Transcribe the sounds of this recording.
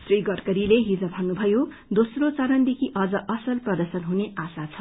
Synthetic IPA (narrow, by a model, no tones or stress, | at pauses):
sriɡʌrkʌɾileɦid͡zʌbʱʌnːubʱʌjo | d̪osrot͡sʌɾʌnd̪ekʰiʔʌd͡zʌʔʌsʌlprʌd̪ʌrsʌnɦuneasat͡sʰʌ